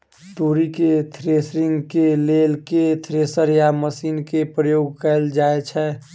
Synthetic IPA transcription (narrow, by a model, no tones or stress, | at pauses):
t̪uɾiket̪ʰɾeːsɾɪ̃ŋɡkeleːlket̪ʰɾeːsəɾjaməsiːnkepɾəjoːɡ̚kɛld͡ʒaːet͡ʃʰɛ